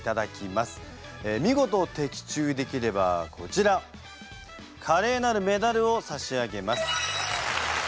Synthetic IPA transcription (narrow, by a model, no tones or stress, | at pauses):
t̪ad̪akʲimasɨ̥ | emʲiɡo̞t̪o̞ːt̪e̞kʲi̥t͡ɕɨːd̪e̞kʲiɾe̞ba̰kʰo̞t͡ɕiɾa | kʰaɾe̞ːnaɾɯ̟me̞d̪aɾɯ̟o̞saɕiaɡe̞masɨ̥